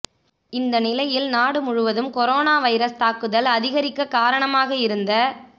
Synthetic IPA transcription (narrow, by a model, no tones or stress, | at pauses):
ɪnd̪ɐnɪlɐjɪlnaːɽɯmʊɻʊʋɐðɯmkɔɾoːnaːʋɐɪɾɐst̪aːkɯðɐlɐðɪɣɐɾɪkːɐkaːɾɐɳɐmaːɣɐɪɾɯnd̪ɐ